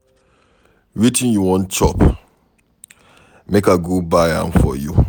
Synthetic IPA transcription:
witĩnjuwɔ̃nt͡ʃɔp | mekaɡubajã̰nfɔ̰ju

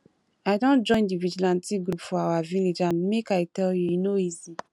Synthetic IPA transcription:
aɪdõnd͡ʒɔ̃ɪ̃ndivid͡ʒilãntiɡɾupfɔawaviled͡ʒãnmekajtɛljuinoizi

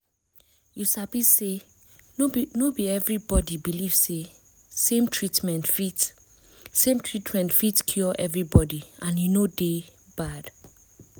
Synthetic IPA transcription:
jusabise | nobiɛvɹibɔdibiliv̥se | sẽmtʰɹitmɛ̃ntfit | sẽmtʰɹitmɛ̃ntfitskʰjɔʔɛvɹibɔdiãnjunode | b̥ad̥

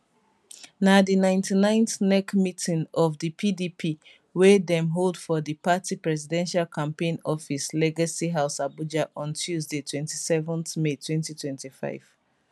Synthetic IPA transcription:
nadinãɪ̃ntʰinãɪ̃nθnɛkmitʰĩŋɔvðipʰidipʰi | wedɛ̃mɦolˠdfɔðipatipɹɛzidɛ̃nʃalkʰãmpẽɪ̃nɔfislɛɡasiɦaʊsabud͡ʒaʔɔ̃ntʰjuzdetʰwɛ̃ntisɛvɔ̃nθmetʰwɛ̃ntitwɛ̃ntifa̰ɪv̥

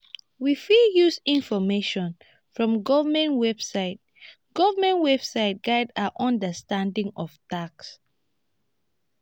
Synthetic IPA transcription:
wifijusĩnfɔmeʃɔ̃n | fɹɔ̃mɡɔvəmɛ̃nwɛb̥saɪt̚ | ɡ̥ɔvəmɛ̃nwɛb̥saɪt̚ɡ̥aɪdaʔɔ̃ndəstãndĩŋɔvtaks

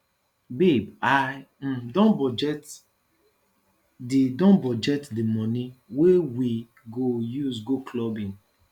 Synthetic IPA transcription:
bibaj | m̩dɔ̃nbɔd͡ʒɛt | didɔ̃nbɔd͡ʒɛtdimɔniwewi | ɡojuzɡoklɔbĩŋ

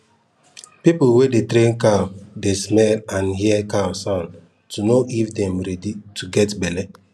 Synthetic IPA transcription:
pipwedetɾẽnkadesmɛlãnɦiɛkasɔ̃n | tunoʔifdɛ̃mɾɛdituɡɛtbɛlɛ

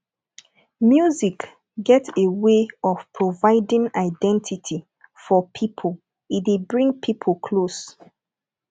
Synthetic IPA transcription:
mjuzik | ɡɛteweɔvpʰɹovaɪdĩŋaɪdɛ̃ntʰitʰi | fɔpʰipʰol | idebɹĩŋpʰipʰlkʰlos

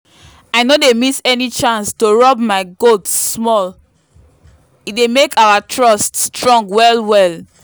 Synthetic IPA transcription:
aɪnodemisɛnit͡ʃãnstoɹɔbmaɪɡotːmɔl | idemekʰawatʰɹɔststɹɔ̃ŋɡwɛlwɛl

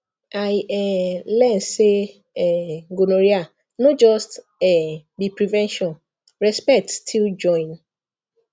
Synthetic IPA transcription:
ajɛlɛ̃n̩se | ɛŋɡonoɾia | nɔ̃d͡ʒɔst | ɛbipɾivɛ̃nʃɔ̃n | ɹɛspɛk̚ttʰild͡ʒɔ̃ɪ̃n

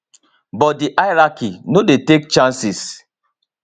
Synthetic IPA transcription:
bɔt̚diʔaɪɾakinodetek̚t͡ʃãnsis

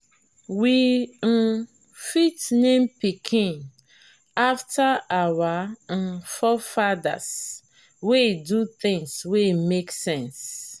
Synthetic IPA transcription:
wi | fitnẽmpikʰĩn | aftʰaawa | fɔfada̰s | weduθɪ̃ŋswemeksɛ̃ns

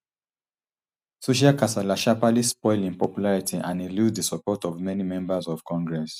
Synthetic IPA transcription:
soʃ̬iakasalaʃapalispɔɪlĩnpɔpjulaɹitʰiʔãnĩluddisɔpɔtɔvmɛnimɛ̃mbazɔv̥kɔ̃ŋɡɹɛs

